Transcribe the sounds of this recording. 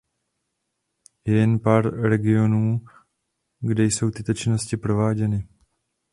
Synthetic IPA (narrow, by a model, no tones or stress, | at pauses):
jɛnpaɾɾɛɡɪonuː | ɡdɛjsowt̪ɪt̪ot͡ʃɪnoscɪpɾoʋaːɟɛnɪ